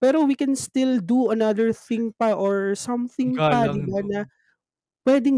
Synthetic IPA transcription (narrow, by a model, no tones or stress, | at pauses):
pɛːɾowikɛnst̪ɪld̪uɐnɐðəɹθɪŋpɐʔoɹsɐmθɪ̃ŋpɐd̪ɪbanɐ | pwɛd̪ɪŋ